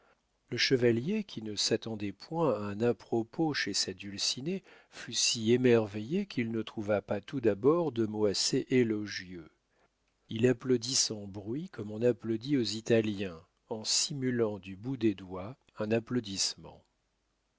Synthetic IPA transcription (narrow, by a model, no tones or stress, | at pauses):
ləʃəvaljekʲʰinəsat̪ɑ̃d̪ɛpwɛ̃aɛ̃napχɔpoʃesad̪ylsine | fysiemɛʁvejekʰʲilnət̪χuvapat̪ud̪abɔʁd̪əmoaseʔelɔʒjø | ilaplod̪isɑ̃bʁɥikɔmɔ̃naplod̪iozit̪aljɛ̃ | ɑ̃simylɑ̃d̪ybud̪ed̪wa | ɛ̃naplod̪ismɑ̰̃